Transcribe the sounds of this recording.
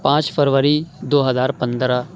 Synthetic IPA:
pãːt͡ʃpʰəɾʋəɾid̪oːɦəzaːɾpə̃nd̪ɾaː

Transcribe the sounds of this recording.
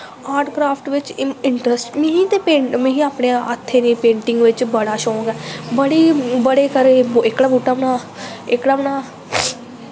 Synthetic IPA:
aːɾɖkɾaːpʰʈʋɪt͡ʃɪɳʈɾəsʈmẽːɦĩːt̪eːpẽːmẽɦĩːaːpɽeːãʔət̪ʰːeːnẽːpẽːɳʈɪŋɡʋɪt͡ʃbəɽaːʃɔ̃ːɡɛːbəɽiːbəɽeːkəɾeːɪkɽaːbuːʈːaːbəɽaː | ɪkɽaːbəɽaː

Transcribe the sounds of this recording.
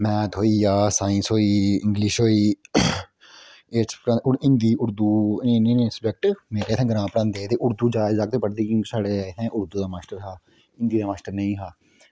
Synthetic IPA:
mɛ̃ːt̪ʰoːiːjaːsaːɪ̃nsɦoːiːɪ̰̃ŋɡliʃɦoːiː | espɾãʊɪnd̪iːʊɾd̪uːẽnẽnẽsəbɛk̚ʈmeːɾeːɪt̪ʰɛ̃ːɡəɾãːpəɾãːnd̪eːt̪eːʔʊɾd̪uːd͡ʒaːɪd͡ʒaːk̚t̪eːpəɽd̪eːkjõːkisaːɽet̪ʰɛ̃ːʔʊɾd̪uːd̪aːmaːsʈəɾɦaː | ɪ̃nd̪iːd̪aːmaːsʈəɾnəĩːɦaː

